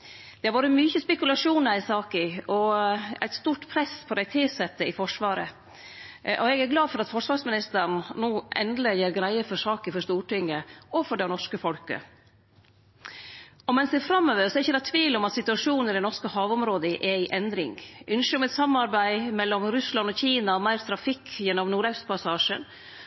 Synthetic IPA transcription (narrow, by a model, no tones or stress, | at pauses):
d̪̥ɛhɑɾʋoːɾəmʏçəspɛkʉlɑʂuːnɑɾɪsɑːkəɔæ̰ɪt̪st̪uːʈpʰɾɛspʰɔd̪æɪt̪ʰɪsɛt̪ːəɪfɔʂʋɑːɾə̰ | ʔɔɛɡæɾɡlɑːfɔɾɑt̪fɔʂʋɑːɾʂmɪnɪst̪əɾɳ̩nuːʔɛ̰nd̪ləjeːɾɡɾæɪəfɔʂɑːkəfɔʂt̪uːʈɪŋːəɔfɔɖæɪnɔʂkəfɔlkə̰ | ɔmɛnsd̪ɛːfɾɑmːøːʋəɾsɔɛɾɪçːəd̪ɑt̪ʰʋiːlɔmɑt̪sɪt̪ʉɑʂuːnəɾɛnɔʂkəhɑːʋɔmɾoːd̪əʔɛɪʔɛnd̪ɾɪ̰ŋʔʉnʃəɔmɛt̪sɑmɑɾbæɪmɛlːɔmɾʉslɑnɔçiːnɑɔmæɪɾt̪ʰɾɑfɪkːjɛnːɔmnuːɾɑʉspʰɑsɑːʂə̰n